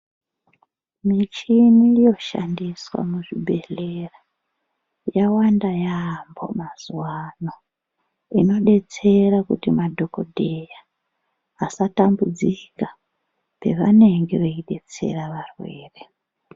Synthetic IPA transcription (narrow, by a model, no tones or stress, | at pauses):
mit͡ʃinijo̞ʃa̰ndiswa̰muʐibʱe̞ɮera | jawandajambo̞̰maz̥wano̞ | ino̞ɗe̞t͡se̞ɾakutimadʱo̞ko̞̰dʱe̞jaː | satambud͡zika | pe̞ʋane̞ŋɡe̞ʋeiɗe̞t͡se̞̰raʋarwe̞ːre̞